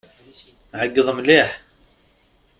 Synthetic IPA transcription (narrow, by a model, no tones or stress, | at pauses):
ʕəɡːəðˤəmliħ